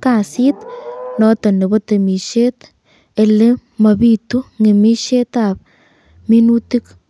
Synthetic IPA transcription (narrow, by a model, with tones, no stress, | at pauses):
ka˨sit̪nɔ˦t̪ɔ˨ne˨bo˦t̪e˨mi˨ʃe˦t̪ | e˨le˦ | mɐ˨bi˦t̪u˦ŋe˨mi˦ʃe˦t̪ap̚ | mi˦nutik